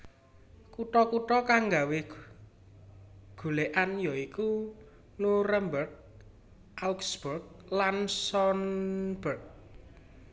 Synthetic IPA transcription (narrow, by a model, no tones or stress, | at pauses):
kuʈɔkuʈɔkaŋɡawe | ɡ̥ṳleʔanjɔiku | nuɾəmbərɡ̚ | ʔawksb̥urɡ̚lansɔnb̥ərɡ̚